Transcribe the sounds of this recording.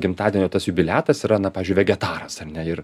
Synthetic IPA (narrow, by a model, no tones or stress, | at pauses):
ɡʲɪmt̪ɑːd̪ʲiɛnʲoːt̪ɐsjʊbʲɪlʲæːt̪ɐsiɾɐnɐpɑːʋʲɪzʲd͡ʒʊɪʋʲɛɡʲɛt̪ɑːɾɐsɐrnʲɛɪɾ